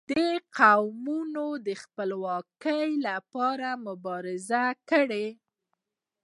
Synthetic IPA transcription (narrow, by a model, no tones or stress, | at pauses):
d̪əqawmunod̪əxpəlwɑkəjlapɑɾamʊbɑɾɪzakəɽe